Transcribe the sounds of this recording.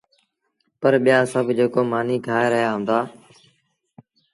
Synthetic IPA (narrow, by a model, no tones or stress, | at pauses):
pəɾɓɪjaːsəbʱd͡ʒeːkoːmaːniːkʰaːeːɾəɦjaːɦʊ̃nd̪aː